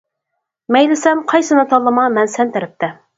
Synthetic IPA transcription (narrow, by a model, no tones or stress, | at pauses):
mɛjlɪsɛmqʰɑjsɨnɨt̪ʰɑlˠːəmɑmɛnsɛnt̪ɪɾɪp̚t̪ʰɛ